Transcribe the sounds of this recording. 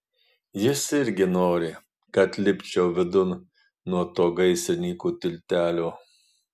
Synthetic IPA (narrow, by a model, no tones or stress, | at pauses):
jɪsɪɾʲɡʲɪnoːɾʲɪ | kɐt̪lʲɪpʲt͡ʃʲɛʊʋʲɪd̪ʊn | nːuɔt̪oːɡɐɪsʲɪnʲiːkuːt̪ʲɪlʲt̪ʲæːlʲoː